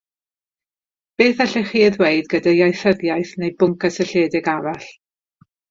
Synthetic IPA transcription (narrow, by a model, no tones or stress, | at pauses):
b̥eːθɛɬɛχiːəðweɨdɡədajajθəðjajθnejbʊŋkʰasɛɬeːdɪɡavaɬ